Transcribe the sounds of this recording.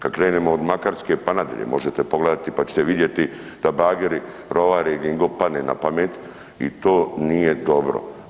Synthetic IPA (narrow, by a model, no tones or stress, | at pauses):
kad̪kɾeːnemoːd̪makaɾskepanad̪ja̰ʎḛmo̞ʒet̪epoɡled̪at̪ipat͡ɕe̥t̪eʋid̪je̞t̪i | d̪̥abaːɡeɾi | ɾo̞ʋaɾeɡiŋɡopad̪nena̰pamet̪ | ḭt̪oːnijed̪o̞bɾo̰